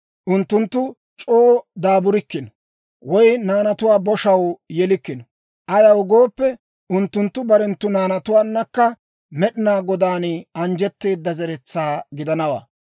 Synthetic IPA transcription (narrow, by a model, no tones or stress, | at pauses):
ʔʊnt̪ːʊnt̪ːʊ | t͡ʃʼoːd̪aːbʊɾɪkːɪnɔ | wɔjnaːnɐt̪ʊwaːbɔʃɐwjɛlɪkːɪnɔ | ʔɐjɐwʊɡoːpːɛ | ʊnt̪ːʊnt̪ːʊbɐɾɛnt̪ːʊnaːnɐt̪ʊwaːnːɐkːɐ | mɛɗɪnaːɡɔd̪aːnɐnd͡ʒɛt̪ːe̞ːd̪ːɐzɛɾɛt͡sːaːɡɪd̪ɐnɐwa̰ː